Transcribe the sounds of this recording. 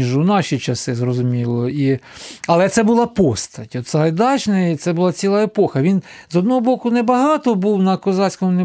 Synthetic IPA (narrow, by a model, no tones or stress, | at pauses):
iʒunɑʃʲit͡ʃɐsɪzrɔzʊmʲilˠɔiɐlˠɛt̪sɛbʊlˠɑpɔst̪ɐtʲɔt̪sɑɦɐjd̪ɑt͡ʃnɐit̪sɛbʊlˠɑt͡sʲilˠɑepɔxɐʋʲinzɔd̪nɔɦɔbɔkʊnɛbɐɦɑt̪ɔbuwnɐkɔzɑsʲkɔmʊne